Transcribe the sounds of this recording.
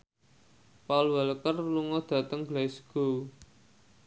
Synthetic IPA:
paulwaləkərluŋɔd̪̥ä̤t̪əŋɡlasɡ̥o̤

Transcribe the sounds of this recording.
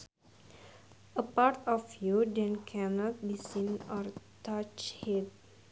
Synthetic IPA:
əpaɾtɔfjudɛ̃nkʰɛ̃nɔt̚bisĩnɔɾtat͡ʃhɛd̚

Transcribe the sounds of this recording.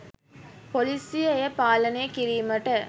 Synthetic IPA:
polisijɐjɐpaːlɐnejɐkiɾiːmɐʈə

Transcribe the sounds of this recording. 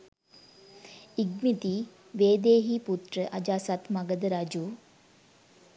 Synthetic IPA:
iɡmit̪i | ʋeːd̪eːɦiput̪rəʔɐd͡ʒaːsat̪maɡəd̪əɾad͡ʒuː

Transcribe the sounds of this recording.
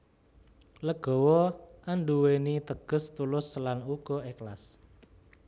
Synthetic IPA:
ləɡ̥ɔ̤wɔʔanɖuwenit̪əɡ̥ə̤st̪ulʊslanuɡ̥ɔ̤eklas

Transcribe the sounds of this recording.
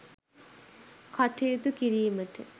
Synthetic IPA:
kʰaʈejut̪ukiɾiːməʈə̰

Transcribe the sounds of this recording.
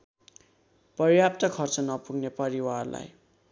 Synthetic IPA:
pʌrjap̚t̪ʌkʰʌrt͡sʌnʌpuɡnepʌɾiwarla̰j

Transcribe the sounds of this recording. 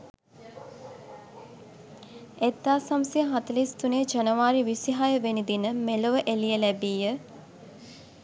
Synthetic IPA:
et̪ːaːsamsiəɦat̪əlist̪uned͡ʒɐnəʋaːɾiʋisiɦajəʋenid̪inəmeloʋəʔelijəlæbiːjə

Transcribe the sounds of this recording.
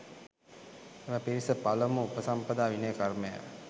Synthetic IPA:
eʋɐpiɾisɐpɐlɐmuupəsɐmpɐd̪aːʋinejkɐrmeja̰

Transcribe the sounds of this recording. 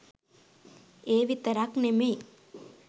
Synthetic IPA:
eːʋit̪ɐɾaːknemej

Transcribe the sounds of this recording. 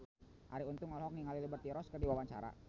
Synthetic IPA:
ʔa̰ɾiunt̪uŋɔlɦɔk̚niŋaliləbərt̪iɾɔskərdiwawaɲt͡ʃa̰ɾa̰

